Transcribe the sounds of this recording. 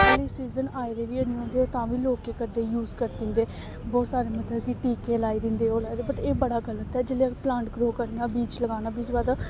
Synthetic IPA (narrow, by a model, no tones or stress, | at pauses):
liːsiːzənaːed̪eːʋiːənĩõːnd̪eːoːt̪ãːʋiːloːkeːkəɾd̪eːjuːzkəɾd̪ɪ̃ːnd̪eː | bɔːt̪saːɾeːmət̪ʰləbkiʈiːkeːlaːiːd̪ɪ̃nd̪eːɦoːlaːid̪eːbəʈeːbəɽaːɡələt̪ɛːd͡ʒɪleplãːɳʈɡɾoːkəɾnaːbiːt͡ʃləɡaːnaːbiːt͡ʃbaːd̪a